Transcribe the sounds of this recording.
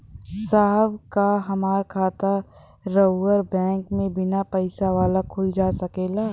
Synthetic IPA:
saɦəbkaɦɐmaːɾkʰaːt̪a | ɾəʊːəɾbɛ̃ːŋkmẽbɪnapəɪsaʋaːlakʰʊld͡ʒaːsəkeːlaː

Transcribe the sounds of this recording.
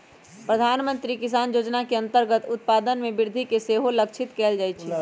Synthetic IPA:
pɾəd̪ʱaːnmə̃nt̪ɾikɪs̬aːnjoːd͡ʒnakeə̃nt̪əɾɡət̪ʊt̪̚paːd̪ənmẽbɪɾd̪ʱikeseːɦoləkt͡ʃʰɪt̪kɛːld͡ʒaːjt͡ʃʰi

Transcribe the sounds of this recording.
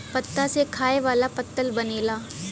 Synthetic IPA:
pɐt̪ːasekʰaːeʋaːlapɐt̪ːəlbɐneːlaː

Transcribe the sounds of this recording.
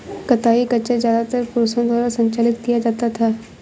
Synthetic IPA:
kɐt̪aːikɐt͡ʃezjaːd̪at̪əɾpʊɾosə̃nd̪waːɾasɐ̃ɲt͡ʃaːlɪt̪kijad͡ʒaːt̪at̪ʰaː

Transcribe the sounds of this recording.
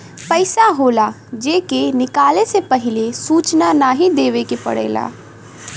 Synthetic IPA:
pəɪsaɦoːla | d͡ʒeːkenɪkaːlesepɐɦɪlesuːt͡ʃnanaːɦid̪eːʋekepə̰ɽḛːla̰ː

